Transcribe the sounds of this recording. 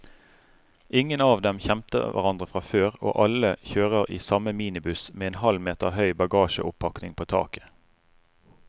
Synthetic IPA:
ʔɪŋənɑːʋd̪ɛmçɛmt̪ə̰ʋæ̰ʁɑnd̪ʁəfʁɑføːʁo̰ːʔɑləçøːʁəʁḭːsɑməmiːnɪbʉsmeːeːnhɑlmeːt̪əʁɦœʏbɑɡɑːʃə̰ʔʊpʰːɑknɪŋpʰoːt̪ʰɑ̰ːkə̥

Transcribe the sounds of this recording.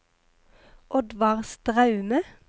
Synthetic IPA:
ʔɔd̪ʋɑʁst̪ʁɑʉnə

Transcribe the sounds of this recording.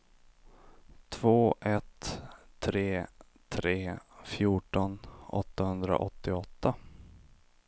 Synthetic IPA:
t̪ʰvoːʔɛt̪ʰː | ɾeː | t̪ʰɾeːfjuːʈɔnɔ̰t̪ːahɵnd̪ɾa̰ʔɔt̪ːɪɔt̪ːa

